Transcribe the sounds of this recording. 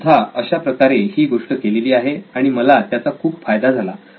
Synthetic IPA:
t̪ʰaəɕapɾəkaɾehiːɡoʂʈəkeleliːaɦeaɽ̃iməlat̪jat͡sakʰuːpfajd̪ad͡zʱala

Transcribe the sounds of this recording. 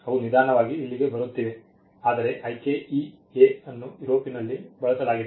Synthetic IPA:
ɐʋunid̪ʱaːɾɐɳɐʋaːɡiilːiɡe̞bɐɾut̪ːiʋe | aːd̪ɐɾe̞ʔɐjkei | eɐnːuiɾoːpinɐlːibɐɭɐsɐlaːɡid̪e

